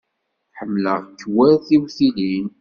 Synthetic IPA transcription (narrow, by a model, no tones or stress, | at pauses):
ħəmːləʁkːwæɾθiwθilin